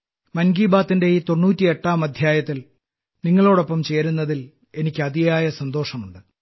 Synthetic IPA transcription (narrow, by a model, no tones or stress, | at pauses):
mɐnɡiːbaːt̪ːinde̞it̪o̞nːuːtːieʈːaːmɐd̪ʱjaːjɐt̪ːil | niŋːɐɭo̞ːɽo̞pːɐmt͡ɕe̞ːɾunːɐðil | e̞nikʲːɨɐd̪ijaːjɐsɐnd̪o̞ːʂɐmuɳɖɨ